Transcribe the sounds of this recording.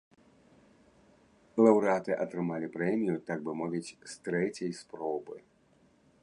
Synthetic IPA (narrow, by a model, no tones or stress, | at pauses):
lˠɐwɾɨat̪ɨʔɐt̪ɾɨmalʲipɾɛmʲijut̪aɡ̚bɨmɔvʲit͡sʲst̪ɾɛt͡sʲɐjspɾɔbɨ